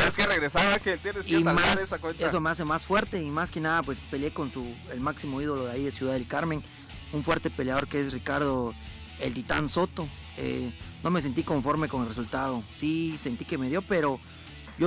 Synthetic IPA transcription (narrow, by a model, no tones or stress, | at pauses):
eskereɣɾesaɾakelt̪jenesimasesawees̬omeas̬emasfwe̞ɾt̪e̞imaskenaðapwe̞spe̞lje̞ko̞nsu | elmaksimo̞iðo̞loðaiðesjuðaðe̞lkaɾmẽ̞ŋ | uɱfwe̞ɾt̪e̞pe̞ljaðo̞ɾkeesrikaɾð̞o̞ | ḛlt̪it̪anso̞t̪o̞ | ḛno̞mes̬e̞nt̪̬iko̞ɱfo̞ɾme̞ko̞nelresult̪aðo̞sise̞nt̪ike̞me̞ðjo̞pe̞ɾo̞ | ʝo